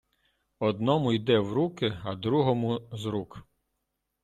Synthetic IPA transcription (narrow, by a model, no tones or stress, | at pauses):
ɔd̪̚nɔmʊjd̪ɛwɾukɪɐd̪ɾuɦɔmʊzɾuk